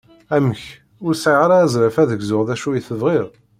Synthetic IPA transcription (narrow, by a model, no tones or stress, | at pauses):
æməç | ʊɾsʕiʁaɾazɾæfæðəɡzʊʁðæʃujiθəvʁɪðˤ